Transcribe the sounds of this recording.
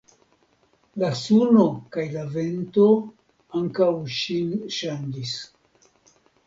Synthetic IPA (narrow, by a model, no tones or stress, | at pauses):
lasuno̞kajlave̞nto̞ | aŋkawʃinʃandis